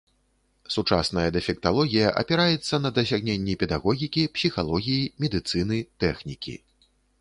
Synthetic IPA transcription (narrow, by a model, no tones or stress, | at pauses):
sut͡ʂa̰snɐjɐd̪ɛfʲɛk̚t̪alˠɔɣʲijɐʔɐ̰pʲɛɾajɛt̪sːɐn̪ɐd̪ɐsʲaɣnʲenʲːɛpʲɛd̪aɣɔɣʲikʲipsʲixalˠɔɣʲijimʲɛd̪ɨt̪sɨnɨt̪ɛxnʲikʲḭ